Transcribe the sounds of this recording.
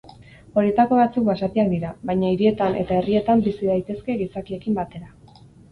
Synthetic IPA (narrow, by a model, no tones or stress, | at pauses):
o̞ɾie̞t̪ako̞βat͡sukbasat̪iakd̪iɾaβajɲaiɾie̞t̪ane̞̰t̪ae̞rie̞t̪ambisiðajt̪e̞ske̞ɣisakie̞kimbat̪e̞ɾa